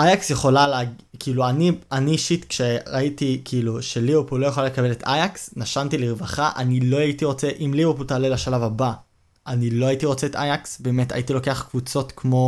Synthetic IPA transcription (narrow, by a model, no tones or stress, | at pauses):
ʔajaksjeχo̞laleɡkiiːluanianiʃitkʃeʁaitikʰiːluʃe̞liupulo̞jeχolale̞kabe̞letajaksnaʃantiliʁvaχaʔanilo̞aitiʁo̞t͡seʔimliwuputalelaʃalavaba | ʔanilo̞aitiʁo̞t͡seːtajaksbe̞ːmeta̰itiloke̞aχkvut͡so̞tkmo̞